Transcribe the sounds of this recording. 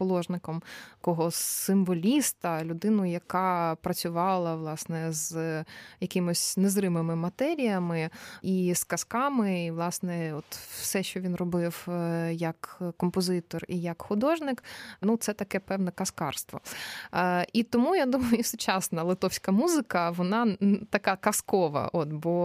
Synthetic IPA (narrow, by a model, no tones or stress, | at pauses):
pɔlˠɔʒnɪkɔmkɔɦɔsɪmʋɔlʲist̪ɐlʲʊd̪ɪnʊjɐkɑpɾɐt͡sʲʊʋɑlˠɐʋlˠɑsnɛz | jɐkʲɪmʊsʲnezrɪmemɪmɐt̪ɛɾʲijɐmɪiskɐskɑmɪiʋlˠɑsnɛɔt̪wsɛʃt͡ʃɔʋʲinrɔbɪwjɐkkɔmpɔzɪt̪ɔrijɐkxʊd̪ɔʒnɪknut̪sɛt̪ɐkɛpɛwnɛkɐskɑrst̪ʋɔ̰ | it̪ɔmujad̪umɐjʊisʊt͡ʃɑsnɐlˠɪt̪ɔwsʲkɐmuzɪkɐʋɔnɑt̪ɐkɑkɐskɔʋɐ̰ʔɔt̪bɔ